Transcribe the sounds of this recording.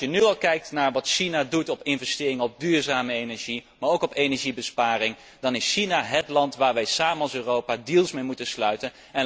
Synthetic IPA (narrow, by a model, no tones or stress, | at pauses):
jənyɑlˠkɛjk̚tnaːɹʋɑtʃinadutɔpɪnvɛstɪːrɪŋəɔb̚dyːɹzaːməejnɛɹʒimaːɹowkɔpejnɛɹʒibəspaːrɪŋ | dɑnɪsʃinaɦətlɑntʋaːɹʋɛjsaːmənɑlˠsøːrowpadilˠsmejmutənslœɥtən | ɛn